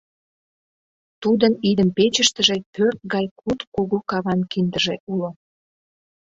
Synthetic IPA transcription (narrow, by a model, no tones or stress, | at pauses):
t̪ud̪ənid̪əmpet͡ɕəʃt̪əʒepørt̪̚ɣɑjkʰut̪kuɣukɑβɑnkind̪əʒeʔulo